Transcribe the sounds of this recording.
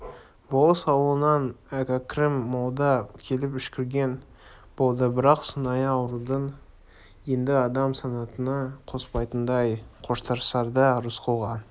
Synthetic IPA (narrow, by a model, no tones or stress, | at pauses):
bolˠəsɑwəlˠənɑnækakrɪmːɑlˠd̪ɑkʲʰe̞lɪpʏʃkʲɪɾɡʲe̞n | b̥o̞lˠd̪əbɪɾɑqsənɑjɑwɾud̪ən | je̞nd̪ɪɑd̪ɑmsɑnɑt̪ənɑqʰo̞spɑjt̪ənd̪ɑjqʰoʃt̪ɑɾsɑɾd̪əɾʊsqʰowʁɑn